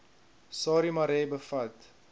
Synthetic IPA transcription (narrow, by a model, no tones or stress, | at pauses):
sɑːɾimɐɾɛːbəfɐt